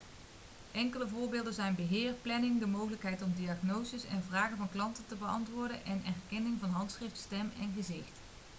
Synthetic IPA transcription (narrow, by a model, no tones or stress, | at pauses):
ʔɛŋkələvʊːɹbɪːlˠdənzɛjnbəɦɪːrplɛnɪŋdəmowɣələkɦɛjtɔmdiɑχnowzəsɛ̰nvraːɣəvɑnklɑntətəbəɑ̰ntʋʊːɹdənʔɛnɛrkɛnɪŋvɑnɦɑntsχrɪftstɛmɛnɣəzɪxt